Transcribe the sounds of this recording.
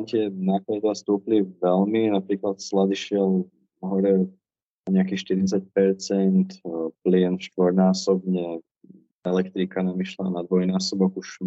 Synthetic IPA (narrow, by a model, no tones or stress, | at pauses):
cɪɛnaːklad̪ʋast̪uːpliʋɛlminapɾiːklat̪slad̪iʃɪɛl | ɦɔɾɛ | aɲɛakiːʃt̪iɾit͡sac̚pɛɾt͡sɛnt̪plɪɛnfʃt̪ʋɔɾnaːsɔbɲɛ | ɛlɛkt̪ɾikanamiʃla̰nad̪ʋɔjnaːsɔbɔkuʃ